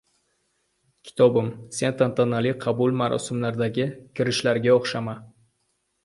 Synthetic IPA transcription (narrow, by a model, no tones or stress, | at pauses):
kʲʰɪ̥t̪ʰɒbɪmse̞nt̪ʰant̪ʰanaliqʰɑbʊlˠmaɾʔɒ̰sɪmlaɾd̪aɡʲɪkʲʰɪɾɪʃlaɾɡʲaoχʃama